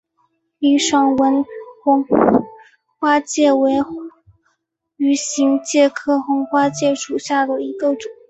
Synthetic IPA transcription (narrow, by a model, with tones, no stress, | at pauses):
i˥˧ʂɑ˥˩ŋwə˧˥nxʊ˧˥ŋ | xwa˥t͡ɕjɛ˥˩we˧˥ɪ | y˧˥ɕi˧˥ŋt͡ɕjɛ˥˧kʰɤ˥xʊ˧˥ŋxwa˥t͡ɕjɛ˥˩ʂu˨˩ɕja˥˩d̪ə˩i˧˥ɡə˧ʈ͡ʂʊ˨˩˦ŋ